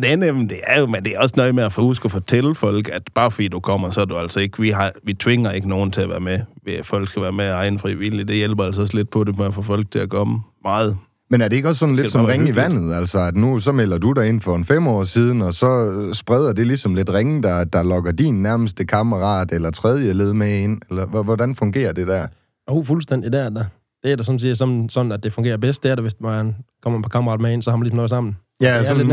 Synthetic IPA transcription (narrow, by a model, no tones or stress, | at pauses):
d̥nemd̥e̝æɐjo̝mend̥e̝æɒ̽snɒɪmeæfhusɡ̥ɐfɒt͡sʰel̰fɒ̽l̰ɡ̥æd̥b̥ɑ̈ːfɒ̽dḭːd̥ukʰɒ̽m̰ɐsɒæɐd̥uæl̰sɒe̝ɡ̥əʋiɦɑʋit͡sʰʋe̝ŋɐe̝ɡ̥əno̝ːn̩t͡sʰe̝æʋæ̰ːɐmeʋfɒl̰ɡ̥sɡ̥æʋæːɐmeæɑ̈ɪnəfʁiʋil̰id̥e̝jelb̥ɐæls̬ɒsle̝d̥̚pʰɒ̽demeæfɔfɒ̽l̰ɡ̥̚t͡sʰe̝æɐkʰɒ̽məmɑ̈ːð̩ˠ | menæɐɾee̝ɡ̥ɒ̽sːɒ̽n̩le̝̥sɒmʁeŋiʋæn̰ð̞̩ˠæl̰sɒ̽æd̥nus̬ɒ̽mel̰ɐd̥ud̥æ̈e̝n̰fɒ̽enfem̰ɒ̰ːsiːð̞ˠn̩ɒ̽sɒ̽sb̥ʁɛð̞ˠɐd̥e̝lisɒ̽mle̝d̥ʁeŋd̥ɑ̈d̥ɑ̈lɒ̽ɡ̥ɐd̥inːæɐməsd̥ekʰɑməʁɑ̰̈ːd̥elɐt͡sʰʁɛð̞ˠjəle̝ð̞ˠmee̝n̰elɐʋʋɒd̥ænfɔ̽ŋɡ̥e̝̰ːɐd̥e̝d̥æɐ | oʊfulsd̥en̰d̥id̥æɐd̥æ | d̥e̝æɐdæsɒ̽msiɐsɒ̽nsɒ̽nn̩æd̚d̥e̝fɔ̽ŋɡ̥e̝ːɐb̥esd̥̚d̥eɐɾɐʋe̝smænkʰɒm̰ɐpʰɑkɑmɐʁɑ̈ːd̥mee̝n̰sɒ̽hɑ̈mænlismnɔ̽ːsɑ̈m̰n̩ | jæs